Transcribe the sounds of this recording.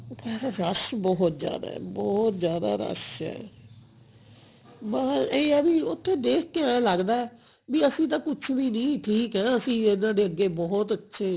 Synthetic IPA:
kɛːɾaɾəsbɔːɦʊt̪zja̰ːd̪a̰ːɛ̰ːbɔːt̪zjaːd̪a̰ːɾə̰sɛ̰ː | maːeɛbĩːʊt̪ʰːeːd̪eːkʰkeãləɡd̪aːɛ | biːəsĩːt̪̬ãːkʊt͡ʃʰʋiːnĩːʈʰiːkɦɛ̃ːəsĩːenãːɖeːəɡːeːbɔːɦt̪ətːʃʰeː

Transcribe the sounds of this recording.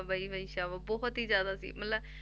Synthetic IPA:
baːiːbəiʃaːʋabɔːɦʊt̪ɦiːzjaːd̪aːsḭːmət̪ləb

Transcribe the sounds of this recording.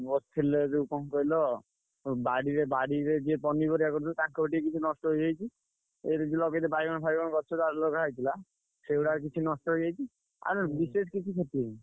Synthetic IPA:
bɔst̪ʰiled͡ʒukɔnkɔilɔ | baɽiɾebaɽiɾed͡ʒepɔnibɔɾiakɔɾut̪ʰilt̪akoʈiekit͡ʃʰunɔsʈɔɦojd͡ʒajt͡ʃʰi | eɾed͡ʒelɔɡet̪ebajɡɔnɔpʰajbɡɔnɔkɔɾt͡ʃʰɔt̪aɾlokaɦajt̪ʰila | sewɽaɾkit͡ʃʰinɔsʈɔɦojd͡ʒajt͡ʃʰi | a̰ɾbises̬kit͡ʃʰikʰɔʈ̪ie

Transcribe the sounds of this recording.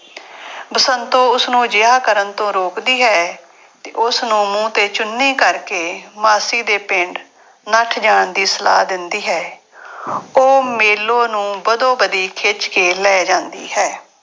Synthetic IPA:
bəsənt̪õːʊsnũːd͡ʒɪaːkəɾənt̪õːɾoːkd̪iːɦɛː | t̪ḛːʔʊsnũːmũːt̪eːt͡ʃʊnːiːkəɾkeːmaːsiːd̪eːpɪɳɖ | nəʈʰd͡ʒaːɳd̪iːsəla̰ːd̪ɪnd̪iːɦɛː | oːmeːlõːnũːbəd̪õːbəd̪iːkʰeːt͡ʃkeːlɛːd͡ʒãːnd̪ḭːɦɛː

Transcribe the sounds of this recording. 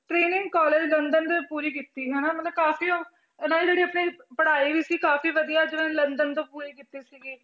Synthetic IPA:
ʈɾeːnɪ̃ŋɡkɔːleːd͡ʒlənd̪ənt̪õːpuːɾiːkɪt̪ːiːɦɛːnaːmət̪ləbkaːfiːoː | naːld͡ʒeːɽiːəpniːpəɽaːiːʋiːsikaːfiːʋəd̪ijaːd͡ʒẽːlənd̪ənt̪õːpuːɾiːkit̪ːiːsiːɡiː

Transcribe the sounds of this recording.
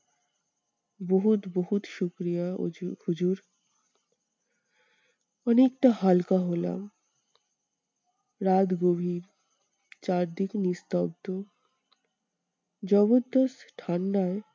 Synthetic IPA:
boɦut̪boɦut̪ʃukɾijahud͡ʑuɾ | ɔnek̚ʈahalkaɦola̰m | ɾad̪ɡobʱiɾ | t͡ɕaɾd̪iknist̪ɔb̚t̪o | d͡ʑɔbod̪ːɔsʈʰanɖae

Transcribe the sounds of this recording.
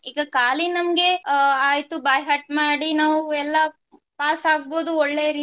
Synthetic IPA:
iːɡɐkaːlinɐmɡe̞aːjt̪ubɐːjɦɐʈmaːɽinaːʋuɛlːɐ | paːsaːɡ̚boːd̪uɔɭːejɐɾiː

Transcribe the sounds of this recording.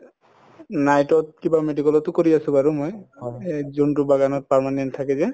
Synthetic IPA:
najtɔt̚kibamedikɔlɔtʊkoɹiasʊ̃baɹumoj | zuntʊbaɡanɔt̚paɹmanɛnttʰːakɛzɛ

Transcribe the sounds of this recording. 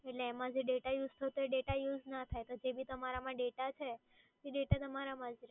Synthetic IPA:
eʈleːmãd͡ʒeɖeʈajud͡ʒt̪ʰəɦt̪oeɖeʈajud͡ʒnat̪ʰajt̪od͡ʒebʱit̪əmaɾamãɖeʈat͡ʃʰe | eɖeʈat̪əmaɾamãd͡ʒiɾ

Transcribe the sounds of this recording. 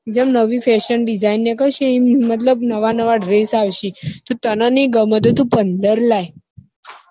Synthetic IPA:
d͡ʑəmnəʋifɛɕənɖid͡zainːekəɕĩĩmət̪̬ləbnəʋanəʋaɖɾesaʋɕit̪ɔt̪ənaniɡəmət̪̬ot̪upənd̪əɾlaj

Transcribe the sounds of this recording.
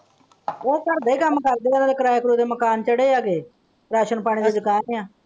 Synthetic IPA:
oːkəɾd̪əikaːməkaɾd̪eːkanːd̪eːkɾaːjakɾuːt̪eːməkaːnt͡ʃəɽeːjaːkeː | ɾaːʃənpaːɽ̃iːd͡ʒ̪eːd͡ʒɪkaːnjaː

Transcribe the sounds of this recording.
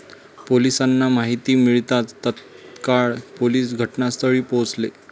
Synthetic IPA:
polisanːamaɦit̪iːmiɭt̪at̪ːət̪ | kaɭpoliːsɡʱəʈnast̪əɭiːpot͡sle

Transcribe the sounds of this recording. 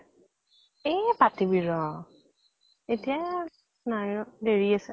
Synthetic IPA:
epatibiɹɔ | etija | naɔdeɹiasɛ

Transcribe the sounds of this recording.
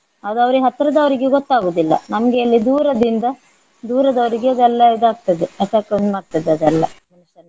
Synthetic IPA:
ɐd̪uɐʋɐɾeɦɐt̪ːɾɐd̪ɐʋɐɾiɡeɡɔt̪ːaːɡoːd̪ilːɐ̰nɐmɐɡeːlːid̪uːɾɐd̪ind̪ɐ | d̪uːɾɐd̪ɐʋɾiɡeɐd̪ɛlːɐid̪aːɡ̚t̪ɐd̪eɐʈaːknuaːɡ̚t̪ɐd̪eɐd̪ɐlːɐmɐnuʃɐl

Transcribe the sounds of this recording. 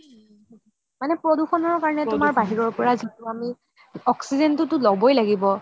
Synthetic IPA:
manɛpɹɔduxɔnɔɹkaɹɔnɛtʊmaɹbaɦiɹɔɹpɔɹazituami | ɔksizɛntʊtʊlɔbɔjlaɡibɔ

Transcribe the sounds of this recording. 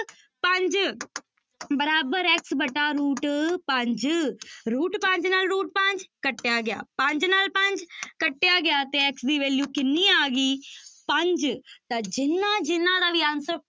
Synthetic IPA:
pə̃ɲd͡ʒ | bəɾaːbəɾɛksbəʈaːɾuːʈpə̃ɲd͡ʒɾuːʈpə̃ɲd͡ʒnaːlɾuːʈ̚pə̃ɲd͡ʒkəʈːejaːɡɪja̰ːpə̃ɲd͡ʒnaːlpə̃ɲd͡ʒkəʈːɪjaːɡɪjaːt̪eːɛksd̪iːʋeːljuːkɪnːiːaːɡiːpə̃ɲd͡ʒt̪ãːd͡ʒɪnːãːd͡ʒɪnːãːd̪aːʋiãːnsə

